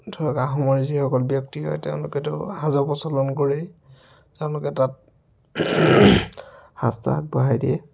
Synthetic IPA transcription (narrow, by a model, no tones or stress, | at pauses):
dʰʱɔɹakaxɔmɔɹzixɔkɔlbjɔk̚tiɦɔ̰jteʊ̃lʊkɛtʊhazɔpɔsɔlɔnkoɹi | teʊ̃lʊkɛtat̚ | ha̰sta̰k̚bɔɦajdiɛ